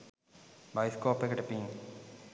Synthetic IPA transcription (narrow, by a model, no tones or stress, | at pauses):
bɐjskoːpːekːɐʈɐpːi